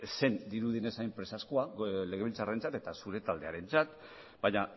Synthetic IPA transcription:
se̞nd̪iɾuðine̞saempɾe̞saskoale̞ɣ̞e̞βilt͡sare̞nt͡sat̪e̞t̪asuɾe̞t̪ald̪e̞aɾe̞nt͡sat̪ | baɲa

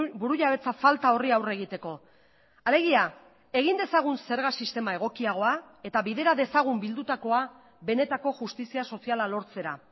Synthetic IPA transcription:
buɾuʎaβe̞t͡safalt̪ao̞riawre̞ɣ̞it̪e̞ko̞ | ale̞ɣia | e̞ɣ̞ind̪e̞saɣ̞unse̞ɾɣasist̪e̞mae̞ɣ̞o̞kiaɣ̞o̞a | e̞t̪aβiðe̞ɾaðe̞saɣ̞umbild̪ut̪ako̞a | βe̞ne̞t̪ako̞ʝust̪isiaso̞sialalo̞ɾt͡se̞ɾa̰

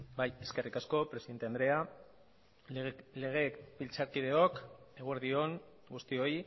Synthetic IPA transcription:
baje̞ske̞rikasko̞pɾesiðent̪eand̪ɾe̞a | le̞ɣ̞e̞bilt͡saɾkiðe̞o̞ke̞ɣoeɾðio̞ŋ | ɡust̪io̞j

